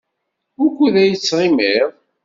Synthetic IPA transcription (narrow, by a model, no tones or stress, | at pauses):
ʊɾkʷːuðæjət͡sːɾˤimiðˤ